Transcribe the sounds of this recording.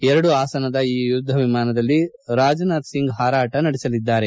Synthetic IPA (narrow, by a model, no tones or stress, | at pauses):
ɛɾɐɽuaːsɐnɐd̪ɐiːʋjud̪ʱːɐʋimaːnɐd̪ɐlːi | ɾaːd͡ʒɐnaːt̪siŋɡɦaːɾaːʈɐnɐɽisɐlid̪ːaːɾe̞